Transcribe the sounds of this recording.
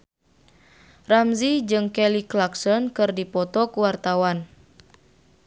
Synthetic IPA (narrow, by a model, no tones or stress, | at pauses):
ramzid͡ʒɨŋkɛliklaksɔnkɨrdipɔt̪ɔkuwart̪awan